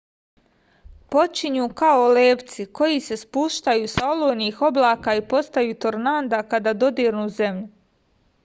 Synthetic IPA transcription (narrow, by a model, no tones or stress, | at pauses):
po̞t͡ʃiɲuːkaoleːʋt̪siko̞jise̞spuʃt̪ajuːsao̞loːjniːxo̞blˠaːkaːipo̞st̪ajuːt̪oɾnaːnd̪akad̪aːd̪o̞d̪iːɾnuːze̞mʎu